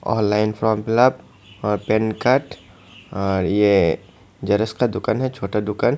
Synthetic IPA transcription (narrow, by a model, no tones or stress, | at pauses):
ɔ̰ːnlaːɪnfɾɔːmpɪlab | ɔɾpenkəʈ | ɔːɾje | d͡ʒɐɾəskad̪ʊkanɦɛt͡ʃʰoːʈad̪ʊkan